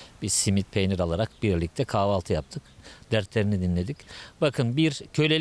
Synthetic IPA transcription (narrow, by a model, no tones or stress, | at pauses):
bizsimit̪̚pʰejniɾalˠaɾakbiɾlʲic̚t̪ʰɛkʰaːvalˠt̪ʰɯjap̚t̪ʰɯkd̪æɾt̪lʲeɾinid̪inʲe̞d̪icbakʰɯnbiɾcʰø̞lʲe